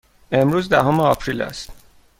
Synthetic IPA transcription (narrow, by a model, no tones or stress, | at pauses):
e̞mɾuːzd̪æɦoːmeɒːpʰɾilæ̰st̪